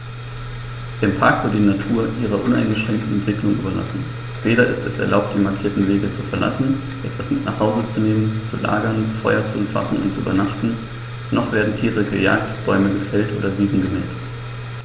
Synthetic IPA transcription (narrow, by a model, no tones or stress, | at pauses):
d̥ɪmpʰaɐkv̥ɪɐtdiːnatʰuːɐʔiːʁ̞ɐʔʊnaɪnɡəʃʁ̥ɛŋk̚tn̩ɛntv̥ɪklʊŋʔy̰ːbɐla̰sn̩ | v̥eːɾɐʔɪstɛsɛɐlaʊp̚t̚d̥iːmaɐkʰiːɐtn̩veːɡət͡sufɛɐla̰sn̩ | ʔɛtv̥asmɪtnaːχhaʊzət͡suneːmənt͡sula̰ːɡɐnfɔʏɐt͡suʔɛmfa̰χn̩ʊntt͡suʔy̰ːbɐnaχtn̩ | nʔɔχv̥eːɐdn̩tʰiːʁəɡəja̰ːk̚tb̥ɔʏməɡəfɛltʔo̰ːdɐviːzn̩ɡəmɛ̰ːlt